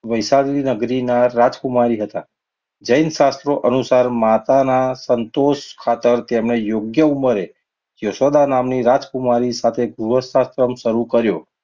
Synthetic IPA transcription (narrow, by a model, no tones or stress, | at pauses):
ʋəjsalinəɡɾinaɾad͡ʒkumaɾiɦət̪a | d͡ʒəjnʃast̪ɾoʔənusaɾmat̪anasənt̪oʃkʰat̪əɾt̪emnejoɡjəuməɾe | josod̪anamniɾad͡ʒkumaɾisat̪ʰeɡɾuɦəsast̪ɾəmʃəɾukəɾjo